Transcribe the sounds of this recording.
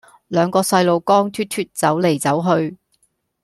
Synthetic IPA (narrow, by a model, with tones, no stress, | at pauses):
lœː˨˧ŋkɔː˧sɐ˧jlo˨˧wkɔː˥ŋt̪ʰyː˥t̪ʰyː˥t̚t͡sɐ˨˥wle˨˩jt͡sɐ˨˥wɦɵ˧ɥ